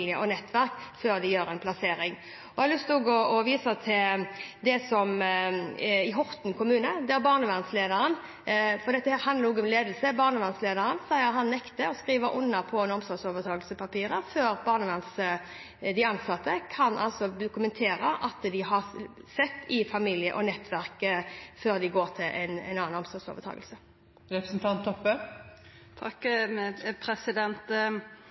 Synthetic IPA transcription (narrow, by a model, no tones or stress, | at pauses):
lɪə̰ʔɔnɛt̪ːʋæʁkføːʁd̪ɪjøːɾɛnpʰlɑseːɾɪŋ | ɔɔɑlʉst̪oːɡɔɔʋiːsɑt̪ʰɪld̪ɛsɔm | ɪɦɔʁt̪nkʰʊmʉːnəd̪ɛæɾbɑːʁnəʋɑnsleːd̪əɾən | fɔʁd̪ɛt̪ːəhæːʁɾɦɑnd̪ʁɾuːɡɔmleːd̪l̩səbɑːʁnəʋɑnsleːd̪əʁənsæɪəɾɦɑnːɛkt̪əɔskɾiːʋəʔʊnːɑpʰɔnɔmsɔsoːʋəʁt̪ʰɑːɡəlsəpʰɑpiːɾəføːɾbɑːʁnəʋɑns | d̪ɪɑnsɑt̪ʰːəkʰɑnʔɑ̰lsɔb̪ʊkʉmɛnt̪ʰeːɾəʔɑt̪d̪ɪɦɑʁ | sɛt̪ːɪfɑmiːljə̰ʔɔnɛt̪ːʋæʁkføːʁd̪ɪɡoːʁt̪ʰɪlʔɛ̰nɛ̰nɑːɑnɔmsɔso̰ːʋət̪ʰɑ̰ːɡəlsə | ɾɛpɾəsn̩t̪ʰɑnt̪ʰːɔpːə | t̪ʰɑk | pʰɾɛsɪd̪ɛnt̪